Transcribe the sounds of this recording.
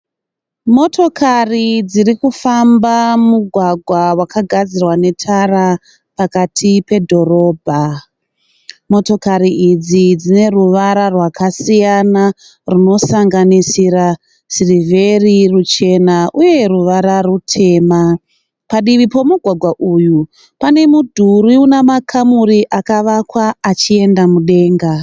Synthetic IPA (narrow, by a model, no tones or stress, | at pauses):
mo̞to̞kʰarid͡ziɾikufambamuɡʱwaɡʱwawakaɡʱad͡zirwane̞tʰara | pakatʰipe̞dʱo̞ro̞ːbʱa | mo̞to̞kaɾiid͡zid͡zine̞ruʋaɾarwakasijana | runo̞saŋɡanisiɾa | sirive̞rirut͡ʃe̞naʔuje̞ruʋaɾarutʰe̞ːma | paɗiʋipo̞muɡʱwaɡʱwaʔuːju | pane̞mudʱuɾiunamakʰamuɾiʔakaʋakwaːt͡ʃie̞ndamuɗe̞ːŋɡa